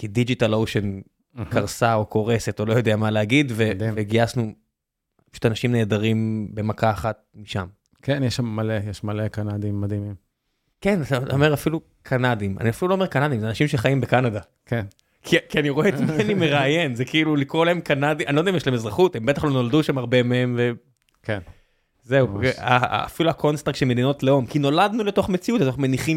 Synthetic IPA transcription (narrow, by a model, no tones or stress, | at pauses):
kidid͡ʒit̪alowʃen | kaʁsao̞kʰo̞ʁese̞tolo̞jo̞d̪eamaleaɡid̪veveɡiasnu | pḁʃu̥t̪anaʃimne̞ːd̪aʁimbe̞makaːχat̪̚miʃam | kenjeʃamːalejeʃmalekanad̪imːad̪imim | kenat̪ataomeʁafilu | kʰanad̪ima̰niafiluloːme̞ʁkanad̪imzeanaʃimʃeχaimbekanad̪a | ken | kʰikianiʁo̞eet̪maanimeʁaːjenzekiilulikʁolaemkanad̪iʔaniod̪imjeʃlaemezʁaχut̪he̞mbet̪aχlo̞no̞ld̪uʃamaʁbemehemve | ken | zeua̰ːfiluakʰo̞nstʁakʃeme̞d̪ino̞tleo̞mkino̞lad̪nule̞to̞χme̞t͡siut̪letoχmeniχim